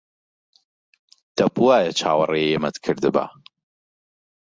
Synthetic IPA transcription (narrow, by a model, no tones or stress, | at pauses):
d̪̥ɐbuaːjɐt͡ʃʰaːwɐ̰rejjemɐt̪kʰɨɾd̪ɨba̰